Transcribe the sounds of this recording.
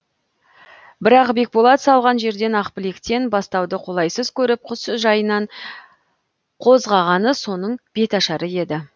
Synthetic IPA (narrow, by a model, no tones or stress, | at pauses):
bɪɾɑqbe̞k̚bolˠɑt̪sɑlˠʁɑnʒe̞ɾd̪e̞nɑqpɪlekt̪e̞nbɑst̪ɑwd̪əqʰo̞lˠɑjsəz̥kʲʰɵɾɪp̚qʰʊsʒɑjənɑɴ | qʰo̞zʁɑʁɑnəso̞nəɴb̥e̞t̪ɑʃɑɾəe̞d̪ɪ